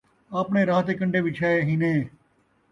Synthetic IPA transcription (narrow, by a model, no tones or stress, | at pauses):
aːpɳeːɾaːt̪eːkəɳɖeːʋɪt͡ʃʰaːeɦinẽː